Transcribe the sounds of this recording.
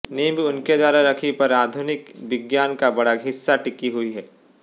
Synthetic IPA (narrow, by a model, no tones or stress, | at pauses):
neːbʊnked̪waːɾaɾɐkʰipɐɾaːd̪ʱʊnɪkʋɪɡjaːnkabɐɽaɡʱɪsːaʈɪkiɦʊiɦɛː